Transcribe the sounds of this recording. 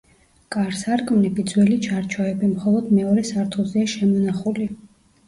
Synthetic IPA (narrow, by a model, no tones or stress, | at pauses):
kʼaɾsaɾkʼmnibid̪zwɛlit͡ʃʰaɾt͡ʃʰɔɛbimχɔlˠɔd̪mɛɔɾɛsaɾt̪ʰɔzɛaʃɛmɔnaχuli